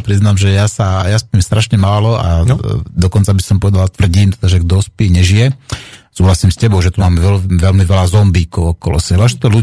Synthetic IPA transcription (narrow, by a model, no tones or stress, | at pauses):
pɾiznaːmʒɛjasajaspiːmst̪ɾaʃɲɛmaːlɔa̰d̪ɔkɔnt͡sabisɔmpɔʋɛd̪alat̪ʋr̩ɟiːnt̪ɛd̪aʒɛɡd̪ɔspiːɲɛʒijɛsuːɦlasiːmscɛbɔʊʒɛt̪umaːmɛʋɛlʋɛlmiʋɛlazɔmbiːkɔʊɔkɔlɔ̰sɛbaʒɛt̪ɔlu